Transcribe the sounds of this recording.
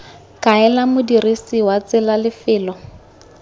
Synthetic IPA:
kʼaɛlamʊdirisiwat͡sɪlalɪfɪːlɔ

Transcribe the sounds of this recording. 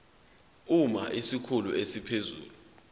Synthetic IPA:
umaʔisikʰuluesipʰezṵːlu

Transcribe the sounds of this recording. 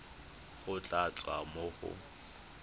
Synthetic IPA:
χʊt͡ɬʼat͡sʼwa̰mʊχʊ̰

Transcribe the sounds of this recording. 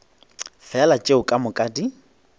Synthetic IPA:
fɛalat͡ʃʼeʊkʼamʊkʼaːdi

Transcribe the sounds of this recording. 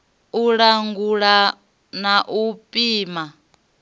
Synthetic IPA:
uɺaŋɡuɺa | naʔupʼiːma

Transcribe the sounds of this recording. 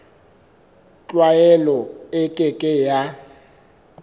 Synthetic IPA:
t͡ɬʼwajɛlɔɪkʼɪkʼɪja

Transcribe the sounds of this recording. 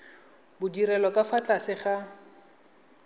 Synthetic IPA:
bʊdiɾɛlɔkʼafat͡ɬʼasɪχa

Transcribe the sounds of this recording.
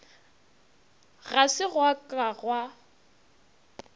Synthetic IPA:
ɣasɪɣwakʼaɣwa

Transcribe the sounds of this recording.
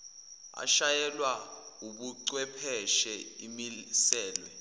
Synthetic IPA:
a̰ʃajɛlwauɓuǀwɛpʰɛʃɛimisɛːlwɛ

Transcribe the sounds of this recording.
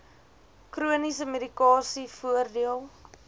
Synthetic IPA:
kruənisəmedikɑːsifuərdiəlˠ

